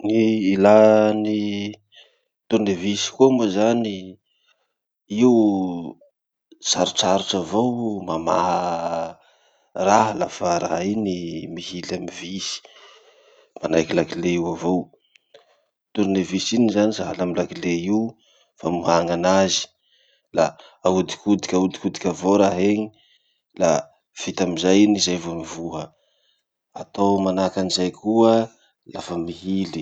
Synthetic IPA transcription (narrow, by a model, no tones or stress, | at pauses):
niilani | t̪uɾnevisi̥kuomuzani | iw | saɾut͡saɾuʈ͡ʂavowmama̰ɦə | raɦalafaɾa̰ɦinimihilamivisi̥ | manajkilakileiwavow | t̪uɾinevisinizanizaɦalamilakilei | famuɦaŋanazi̥ | la | aud̪i̥kud̪i̥kʲaud̪ikud̪ikʲavoɾaɦeɲi | la | v̥it̪amizajnizajvomivuɦə | at̪owmanakanizajkʰuə | lafəmiɦili